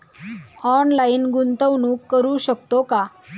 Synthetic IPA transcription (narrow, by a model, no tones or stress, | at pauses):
ɔnlaiːnɡunt̪əʋnuːkːəɾuːɕəkt̪oka